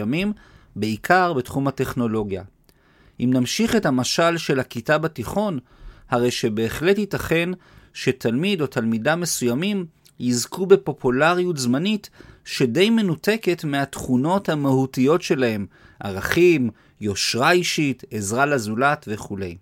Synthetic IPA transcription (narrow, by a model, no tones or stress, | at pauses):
amimbeikʰaʁbetχumhate̞χno̞lo̞ɡja̰ | ʔimnamʃiχe̞thamaʃalʃe̞lhakitabatiχo̞n | haʁe̞jʃe̞be̞ːχletitaχe̞n | ʃe̞tʰalmido̞tʰalmidamːe̞sujamim | jizkube̞po̞pulaʁijutzmanitʃe̞de̞jme̞nute̞ke̞tmeatχuno̞thamahutijo̞tʃe̞lahe̞m | ʔa̰ʁaχim | jo̞ʃʁaiʃite̞zʁalazulatve̞χule̞j